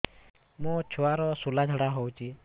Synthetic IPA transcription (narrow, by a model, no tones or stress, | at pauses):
mũt͡ʃʰuaɾɔsulad͡ʒʱəɽaɦowt͡ʃʰi